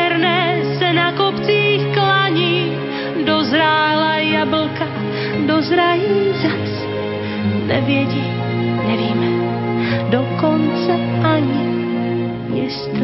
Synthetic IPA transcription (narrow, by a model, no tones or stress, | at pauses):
ɛɾnɛːsɛnakopt͡siːxklaɲiː | dozɾaːlajabl̩ka | dozɾajiːzas | nɛ̰vjɛɟiː | nɛviːmɛ | dokont͡sɛ | ʔaɲɪ | jɪst̪